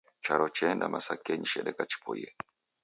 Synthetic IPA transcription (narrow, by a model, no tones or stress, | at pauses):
t͡ʃaɾɔt͡ʃɛndamʔasakɛɲiʃɛɗɛkat͡ʃi̥pʰɔjɛ